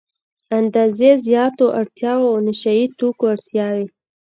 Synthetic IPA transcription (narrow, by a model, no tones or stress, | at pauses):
and̪ɑzezjɑt̪oʔaɽt̪jɑwoawnɪʃait̪okoaɽt̪jɑwe